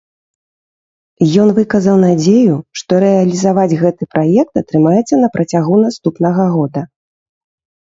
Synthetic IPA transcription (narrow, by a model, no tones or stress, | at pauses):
jɔn̪vɨkɐzɐwnad͡zʲejuʂt̪ɔɾɛɐlʲizavad͡zʲɣɛt̪ɨpɾajɛk̚t̪ɐt̪ɾɨmajɛt̪sːɐnɐpɾʔɐt͡sʲaɣunast̪upnɐɣɐɣɔd̪ɐ